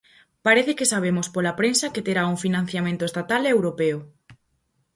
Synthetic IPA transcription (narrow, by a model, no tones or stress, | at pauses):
paɾeθekesaβ̞emospolapɾensɐket̪eɾauŋfinãn̟θjamẽnt̪oest̪at̪alewɾopeo